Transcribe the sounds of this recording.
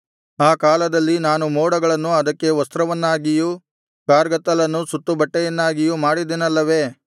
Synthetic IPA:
aːkaːlɐd̪ɐlːinaːnumɔːɽɐɡɐɭɐnːuɐd̪ɐkːe̞ʋɐst̪ɾɐʋɐnːaːɡiju | kaːɾɡɐt̪ːɐlɐnːusut̪ːubɐʈːɛjɐnːaːɡijumaːɽid̪enɐlːɐʋe̞ː

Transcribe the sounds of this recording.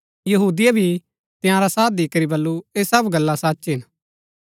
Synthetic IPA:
jɐɦuːd̪ijabʱi | t̪ɪjãɾasaːd̪iːkəɾibɐlːueːsɐbɡɐlːãsɐtːʃɦɪn

